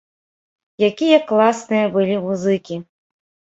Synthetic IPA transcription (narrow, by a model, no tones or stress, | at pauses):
jakʲijɐklˠasnɨjɐbɨlʲimuzɨkʲi